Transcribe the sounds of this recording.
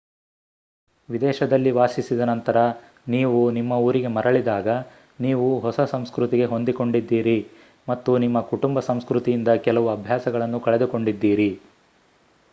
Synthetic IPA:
ʋid̪ɛːʃɐd̪ɐlːiʋaːsisid̪ɐnɐnt̪ɐɾɐ | niːʋunimːɐuːɾiɡe̞mɐɾɐɭid̪aːɡɐ | niːʋuɦɔsɐsɐmskɾut̪iɡe̞ɦo̞nd̪iko̞ɳɖid̪ːiːɾi | mɐt̪ːunimːɐkuʈumbɐsɐmskɾut̪ijind̪ɐkɛlɐʋuɐbʱjaːsɐɡɐɭɐnːukɐɭe̞d̪uko̞ɳɖid̪ːiːɾi

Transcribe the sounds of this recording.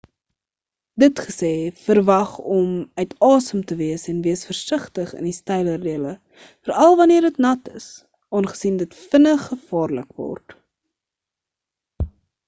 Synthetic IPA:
dətχəsɛːfərvɐχɔmœɥtʰɑːsəmtəviəsɛnviəsfərsəχtəχə̰nistɛjlərdiələ | fərɐlˠvɐniərdətnɐtə̰s | ɑːnχə̥sindətfənəχəfɑːrlə̰kvɔ̰rt

